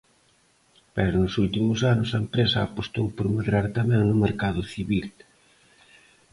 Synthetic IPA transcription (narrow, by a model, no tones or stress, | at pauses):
pɛɾʊnʊsult̪imʊsanʊsaempɾesɐa̰apost̪owpoɾmeðɾaɾt̪amɛŋnʊmeɾkaðʊθiβil